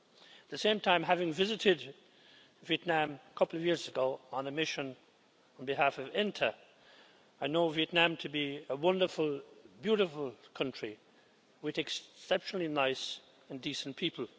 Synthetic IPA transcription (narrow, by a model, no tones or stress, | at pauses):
t̪̚ðɨsẽɪ̃mtʰãɪ̃mɦævɪ̃ŋvɪzɨɾɪd | viɨtⁿnæ̃məkʰʌpl̩ˠʌvjɪɹzɨɡoʊə̃nɨmɪʃɨ̃n | n̩bɨɦæfʌvɪ̃ntʰə | aɪnoʊviɨtⁿnæ̃mtʰɨbiəwʌ̃ndə˞fəl̩ˠbjʉɾɨfl̩ˠkʰʌ̃nt͡ʃɹ̥i | wɨðɨkssɛpʃnl̩ˠinaɪs | ɨ̃ndisn̩pʰipʰl̩ˠ